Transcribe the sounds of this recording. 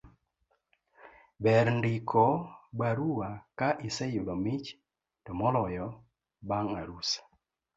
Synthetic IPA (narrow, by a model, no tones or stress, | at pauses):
bɛɾndikʰɔbaɾuwakaʔisɛjulomit͡ʃ | tɔmɔlɔjɔ | baŋaɾus